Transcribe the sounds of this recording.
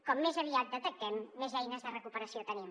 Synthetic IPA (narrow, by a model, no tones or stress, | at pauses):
kɔmːezəβiat̪̚d̪ət̪ək̚t̪ɛmːezɛjnəzðərəkupəɾəsiot̪ənim